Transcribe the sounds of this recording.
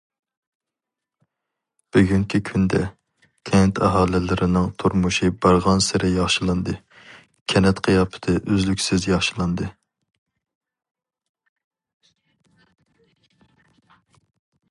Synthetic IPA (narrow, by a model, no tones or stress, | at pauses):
b̥yɡʲyŋkʲʰikʲʰynd̪ɛ | kʲʰɛnt̪ʰɑɦɑːlˠɪlɪɾɪnɨŋt̪ʰuɾmuʃɨbɑɾʁɑnsɪɾɪjɑχʃɨlˠɨnd̪ɨ | kʲʰɛnɛt̪qʰəjɑpʰɨ̥t̪ʰɨʔøzlykʲsɪzjɑχʃɨlˠɑnd̪ɨ